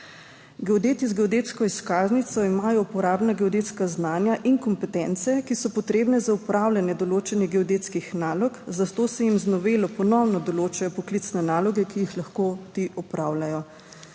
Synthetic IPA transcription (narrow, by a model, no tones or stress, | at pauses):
ɡɛɔd̪eːt̪izɡɛɔd̪eːt̪skɔiskaːznit̪sɔimaːjɔupɔɾaːbnaɡɛɔd̪eːt̪skaznaːnjaʔiŋkɔmpɛt̪ɛnt̪sɛkisɔpɔt̪ɾeːbnɛzaupɾawlʲanjɛd̪ɔloːt͡ʃɛniɡɛɔd̪eːt̪skixnaːlɔkzat̪oːsɛjimznɔʋeːlɔpɔnɔwnɔd̪ɔloːt͡ʃajɔpɔklit̪snɛnaːlɔɡɛkijixlaxkot̪iʔɔpɾaːwlajɔ